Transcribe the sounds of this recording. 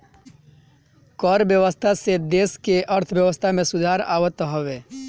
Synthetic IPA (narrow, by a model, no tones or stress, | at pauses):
kɔːɾʋjəʋəst̪ʰased̪eːskeʔɐɾt̪ʰʋjəʋəst̪ʰamẽsʊd̪ʱaːɾa̰ːʋət̪ɦoʋeː